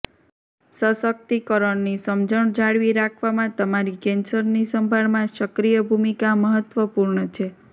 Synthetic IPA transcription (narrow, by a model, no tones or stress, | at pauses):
səsək̚t̪ikəɾəɳnisəmd͡ʒəɳd͡ʒaɭʋiɾakʰʋamãt̪əmaɾikɛ̃nsəɾnisəmbʱaɭmãʃəkɾijəbʱumikaməɦət̪ʋəpuɾɳət͡ʃʰe